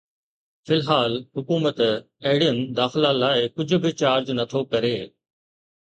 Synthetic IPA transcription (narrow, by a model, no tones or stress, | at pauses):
fɪlɦaːlhʊkuːmət̪ | ɐɦɪɽijənd̪aːxɪlalaːɪkʊd͡ʑʱʊ̆bʱɪt͡ɕaːɾd͡ʑnɐt̪ʰokɐɾeː